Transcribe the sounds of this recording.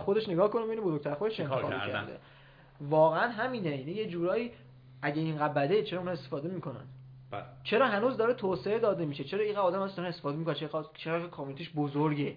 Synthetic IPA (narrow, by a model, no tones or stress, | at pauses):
xod̪e̞ʃne̞ɡɒːhkonebeinobozoɡ̚t̪ʰæɾxod̪eʃent̪ːxɒbḛcʰæ̰ɾd̪ḛ | vɒːɣeænɦæmiːneinijed͡ʒuːɾɒːjiː | æɟeiːnɢæbbæd̪et͡ʃʰe̞ɾɒːunɒest̪e̥fɒːd̪e̞miːkʰo̞næ̰nd̪ | t͡ʃʰe̞ɾɒːɦænuːzd̪ɒːɾet̪ʰoːseed̪ɒːd̪e̞miːʃet͡ʃʰeɾɒːiːɢæɒːd̪æmæzsenest̪efɒːd̪emikonænt͡ʃʰet͡ʃʰeɣækʰɒːminet̪ʰiːʃbozoɾɟe